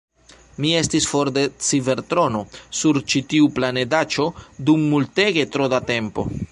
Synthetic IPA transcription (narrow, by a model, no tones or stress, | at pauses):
mie̞stisfo̞ɾde̞t͡sive̞ɾtɾo̞no̞suɾt͡ʃitiuplane̞dat͡ʃo̞dumːulte̞ɡe̞tɾo̞date̞mpo̞̰